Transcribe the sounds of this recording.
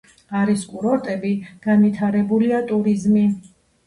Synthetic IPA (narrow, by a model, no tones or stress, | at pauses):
aɾiskʼuɾɔɾt̪ʼɛbiɡ̥anvit̪ʰaɾɛbuliat̪ʼuɾizmi